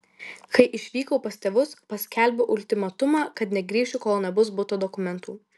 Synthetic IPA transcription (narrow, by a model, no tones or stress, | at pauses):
kʰɐɪʔɪʃʲʋʲiːkoʊpɐsʲt̪ʲɛːʋʊspɐsʲkʲɛlʲbʲoʔʊlʲt̪ʲɪmɐt̪ʊmɑːkɐt̪nʲɛɡɾʲiːʃʲukoːlˠnʲɛbʊs̬bʊt̪oːd̪ɔkʊmʲɛnt̪uː